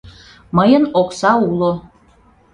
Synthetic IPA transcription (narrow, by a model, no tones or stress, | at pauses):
məjənoksɑulo